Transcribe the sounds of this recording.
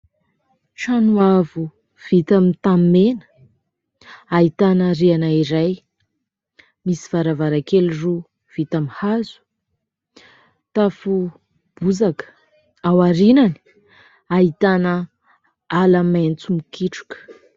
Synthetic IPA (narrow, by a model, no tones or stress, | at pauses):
ʃanuavu | v̥it̪amit̪ammenə̥ | aɦit̪anəɾianaiɾaj | misiv̥aɾavaɾakeluru | v̥it̪amihazu̥ | t̪afu | b̥uzakə̥ | awaɾinani̥ | aɦit̪anə | alament͡sumikiʈ͡ʂu̥kə̥